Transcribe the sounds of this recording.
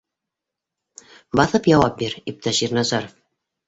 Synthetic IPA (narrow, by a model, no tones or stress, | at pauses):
bɑθɤpjɑwɑp̚biɾip̚t̪æʃiɾnɑzɑɾof